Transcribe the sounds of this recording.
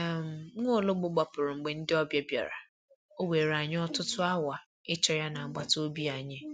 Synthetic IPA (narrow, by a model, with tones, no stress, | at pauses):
m̩˨˦ŋʷo˦˨lo˦ɡ͡bʊ˦ɡ͡ba˨pʊ˨ɾʊ˨ŋ͡m̩˨ɡ͡be˨˦n̩˦dɪ˦ɔ˦bja˦bja̰˨ɾa̰˨ | o˦we˨ɾa˨ɲɪ˦ɔ˦tʊ˦tʊ˦a˦wa˨ | ɪ˦t͡ʃɔ˦ja˦na˨a˨ɡ͡ba˨to˦bi˦a˨ɲe˦